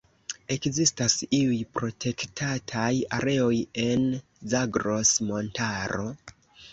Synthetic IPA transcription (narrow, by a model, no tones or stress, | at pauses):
e̞kzistasiujpɾo̞tʰe̞ktʰatʰaja̰ɾe̞o̞je̞n | zaɡɾo̞smo̞ntaɾo̞